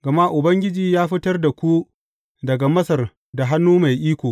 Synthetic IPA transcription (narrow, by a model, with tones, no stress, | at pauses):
ɡ̥ɐ˨ma˦ʔʊ˨bɐ˦ŋɡʲɪ˦d͡ʒiː˨jaː˦ɸɪ˦tɐ˦rda˨kʷu˦ | dɐ˨ɡa˨mɐ˦sɐ˨r | da˨ɦa˦nːuː˦ma˨jʔiː˦kʷoː˨